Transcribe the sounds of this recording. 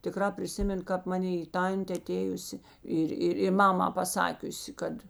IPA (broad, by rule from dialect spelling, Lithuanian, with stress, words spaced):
tʲɪˈkrɑː pʲrʲɪˈsʲɪmʲeːn kɑːp mɐˈnʲeː ɪ ˈtɐnʲtʲeː ɐˈtʲeːjʊsʲɪ ˈɪr ˈɪrʲɪ ˈmɑːmɑː pɐˈsɑːkʲʊsʲɪ ˈkɐt